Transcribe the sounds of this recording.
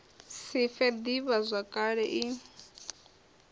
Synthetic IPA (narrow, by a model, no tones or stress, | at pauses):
sifɛd̪iβazʷakʼaɺɛʔi